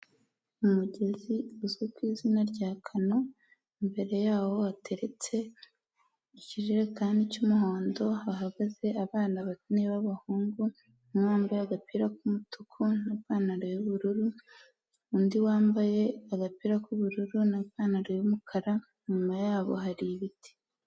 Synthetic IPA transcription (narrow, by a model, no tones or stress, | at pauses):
umuɟe̞ziuzukwiːzinaɾɟaːkʰano̞ | imbe̞ɾe̞jaːwo̞atʰe̞ɾe̞t͡se̞ | iciɾiɾekaːndicumuɦoːndo̞haɦaɡaze̞aβaːnaβatniβaβahuːŋɡu | waːmbajaɡapiɾakumutukʰunaββaːnaɾejuβuɾuɾu | undiwaːmbajeaɡapiːɾakuβuɾuɾunaβaːnaɾojumukʰaɾa | ɲɲumajaːβo̰haɾiβiti̥